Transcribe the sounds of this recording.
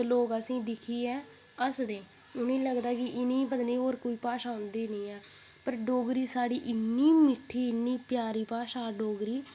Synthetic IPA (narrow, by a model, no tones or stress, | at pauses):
loːɡəsĩːd̪ɪkʰiːɛː | əsd̪ẽː | ʊnĩːləɡd̪aːkɪʔɪniːbənniːoːɾkoːiːpaːʃaːʊnd̪iːnəĩːɛː | pəɾɖoːɡɾiːsaːɽiːʔɪnːiːmɪʈʰiːɪnːiːpjaːɾiːpaːʃaːɖoːɡɾiː